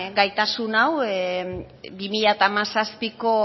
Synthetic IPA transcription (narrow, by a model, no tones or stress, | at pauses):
ɡajt̪asunaw | bimiʎat̪amasaspiko̞